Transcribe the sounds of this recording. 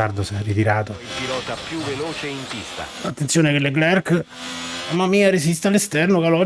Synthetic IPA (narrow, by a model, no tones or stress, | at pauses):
ard̪osɛrit̪iɾaːt̪oilpilɔːt̪apjuvːeloːt͡ʃeint̪ist̪a̰at̪ːent̪sjoːnekelːeɡlɛrk | amamːiːaɾesist̪ealːest̪ɛrnokalɔ